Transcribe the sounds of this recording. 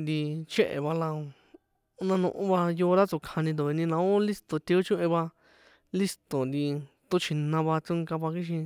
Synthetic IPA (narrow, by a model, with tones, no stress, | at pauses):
nd̪i˧t͡ʃẽ˦ʔḛ˨βa˧la˧˦ | nã˧nṵ̃˧ʔṵ̃˦βa˧jo˧ɾa˦t͡su˧kʰã˧nĩ˧d̪o˨βi˧nĩ˧nã˧õ˦li˦st̪o˨t̪i˧o˦t͡ʃũ˦ʔẽ˧βa˧ | li˦st̪o˨nd̪i˧ | t̪u˦t͡ʃʰi˧nã˧βa˧t͡sũ˦ŋka˧βa˧ki˦ʃ̬ĩ˧